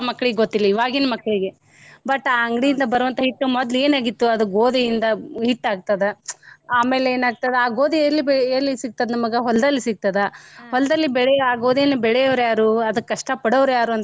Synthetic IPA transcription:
mɐkːɐɭiɡeɡot̪ːilːɐiʋaːɡinɐmɐkːɐɭiɡe̞ | bɐʈːaːɐŋɡɽijind̪ɐbɐɾɐʋɐnt̪ʰɐɦiʈːumɔd̪le̞ːnaːɡit̪ːuɐd̪uɡoːd̪ijind̪ɐɦiʈːaːɡ̚t̪ɐd̪eaːmeːleeːnaːɡ̚t̪ɐd̪eaːɡoːd̪ielːibeɾlːisiɡ̚t̪ɐd̪ɐnmɐɡɐɦɔlːɐd̪ɐlːisiɡ̚t̪ɐd̪ɐhɔlɐd̪ɐlːibɛɭɛaːɡoːd̪ijɐnːɐbɛɭɛjɐʋɾjaːɾuːɐd̪ɐkːkːɐʂʈɐpɐɽoːʋɾjaːɾuɐnt̪

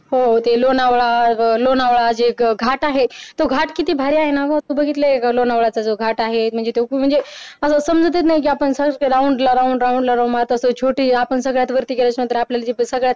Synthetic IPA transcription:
ɦot̪elonaʋɭalonaʋɭad͡zeɡʱaʈaɦet̪oɡʱaʈkit̪iːbʱaɾiaɦenakot̪uːbəɡʱit̪lelonaʋɭat͡sad͡zoɡʱaʈaɦem̤əɳd͡zet̪om̤əɳd͡zeəsəsəmd͡zət̪̬et̪naɦik̬iapəɳsəɾauɳɖlaɾauɳɖɾauɳɖlaɾaumat̪əsət͡ɕʰoʈiːapəɳsəɡɭjat̪ʋəɾt̪iːkelat͡ɕnə̃t̪əɾapljalad͡ʑesəɡɭjat̪

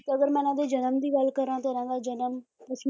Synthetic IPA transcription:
t̪eəɡəɾmɛ̃ːnãːd̪eːd͡ʒənəmd̪iːɡəlkəɾãːt̪ʊɾãːd̪aːd͡ʒənəmpəs

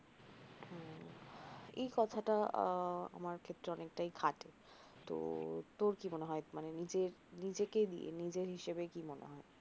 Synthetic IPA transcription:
ḛjkɔt̪ʰaʈa | a̰maɾkʰet̪ːɾeɔnek̚ʈajkʰaʈe | t̪o̰t̪oɾkimoneɦɔemanenid͡ʑeɾnid͡ʑeked̪ḭḛnid͡ʑeɾɦiʃebekimonḛɦɔe

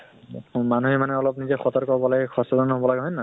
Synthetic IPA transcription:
manuɦimanɛɔlɔp̚nizɛxɔt̪ɔɹkɔɦɔbɔlaɡɛkʰɔsɔdɔnɦɔbɔlaɡɛɦɔjna

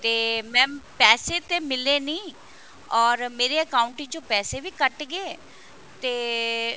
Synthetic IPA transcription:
t̪eːmɛ̃ːpɛːseːt̪eːmɪleːnĩː | ɔːɾmeːɾeːəkaːʊɳʈiːt͡ʃõːpɛːseːʋiːkəʈɡeː | t̪eː

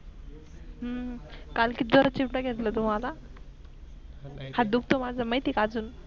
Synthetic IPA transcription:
ɦəkalkid̪ʋəɾat͡ɕimʈəɡʱɛt̪lət̪um̤ala | had̪ukʰt̪omad͡zʱaməjt̪iːkad͡zuːn

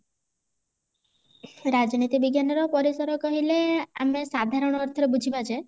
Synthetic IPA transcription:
ɾad͡ʒnit̪ibiɡjanɔɾɔpɔɾisɔɾɔkɔɦileamesad̪ʱaɾɔɽ̃ɔɔɾt̪ʰɔɾebud͡ʒʱibat͡ʃʰe

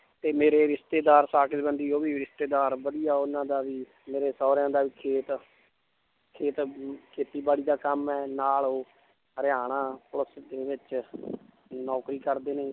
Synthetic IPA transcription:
t̪eːmeːɾeːɾɪst̪eːd̪aːɾsaːkɪsbənd̪iːoːbiːɾɪst̪eːd̪aːɾbəd̪ijaːʊnãːd̪aːʋiː | meːɾeːsɔːɾjãːd̪aːʋiːkʰeːt̪ | kʰeːt̪kʰeːt̪iːbaːɽiːd̪aːkəmɛːnaːloː | ɾɪaːɽaːpʊləsd̪eːʋɪt͡ʃ | nɔːkɾiːkəɾd̪eːneː

